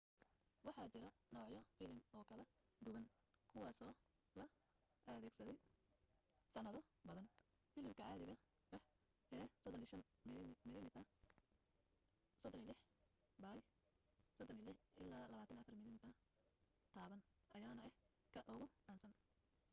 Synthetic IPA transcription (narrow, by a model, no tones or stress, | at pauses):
wɑħɑːt͡ʃɪɾɐnɔːʕjɔfɪlɪmɔːkʰɐlɛɡʊɣɐn | kʰʊwɑːsɔː | lɐ | ʔɐðɛːɡsɐðɛj | sɐnɐðɔbɐðɐn | fɪːlɪmkʰɐʕɑːðɪɣɐ | ɐ | ʔɛːsɔd̪ɔnʃɐnmɪðɪmɪt̪ɐ | sɔd̪ɔnɪlɪħ | baːj | sɔd̪ɔnɪlɪħʔɪlaːlɐβaːt̪ʰɐnɐfɐrmɪlɪmɪt̪ʰɐ | t̪ʰaːβɐn | ʔɐjaːnɐɛ | kʰɐʔʊɣʊaːnsɐn